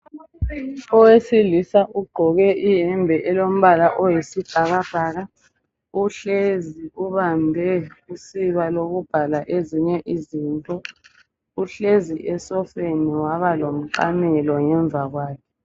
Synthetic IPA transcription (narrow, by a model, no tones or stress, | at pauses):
ɔwesilisaʔuɡ͡ǃʱɔɣɛʔijɛmbʱɛʔɛlom̩βalaʔɔjisib̥ʱaɣab̥ʱaːɣa | uɬeziuβambʱɛusiβaloɣub̥ʱalaʔeziɲɛʔizintʼɔ | uɬeziʔɛsɔfeniwaβalom̩ǃa̰mɛlɔŋɛɱb̪vʱaɣwaːkʰɛ